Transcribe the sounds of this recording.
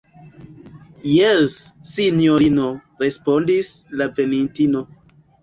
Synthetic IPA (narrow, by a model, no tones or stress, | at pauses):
jesːinjoɾino | ɾe̞spo̞ndislave̞nintino̞